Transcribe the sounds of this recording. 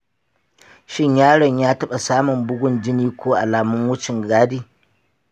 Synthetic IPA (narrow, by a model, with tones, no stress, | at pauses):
ʃɪ˦ɲjaː˦ɽɔ˨ɲjaː˦tɐ˦ɓa˨saː˦mʊ˨mbʊ˦ɡʷʊ˦nd͡ʒɪ˦niː˦kʷoː˦ʔa̰˨laː˨mʊ˦ŋwʊ˦t͡ʃɪ˨ŋɡaː˦diː˦